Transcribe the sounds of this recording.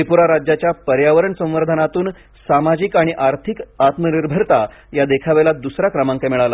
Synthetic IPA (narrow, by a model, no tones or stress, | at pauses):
epuɾaɾad͡ʑjat͡ɕjapəɾjaʋəɾəɳsə̃w̃ʋəɾd̪ʱənat̪uːn | samad͡ʑiːkaɽ̃iʔaɾt̪ʰikat̪məniɾbʱəɾt̪a | jad̪ekʰaʋelad̪usɾakɾəmãŋkajmɛɭala